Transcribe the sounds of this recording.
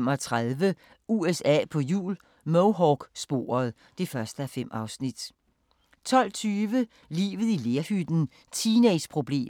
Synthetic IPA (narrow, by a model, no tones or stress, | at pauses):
mɒt͡sʰʁaðˠʋə | uesɛ̰ːpʰɒ̽jṵːl | moʊɦɒɡ̥sb̥o̝̰ːɐð̞̩ˠ | d̥e̝fɶɐsd̥əæfem̰ɑ̈ʊsnid̥ | t͡sʰɒ̽l̰t͡sʰyːʋə | lḭːʋð̞̩ˠile̝ɐhyd̥n̩ | t͡sʰineɪspʰʁo̝b̥le̝̰ː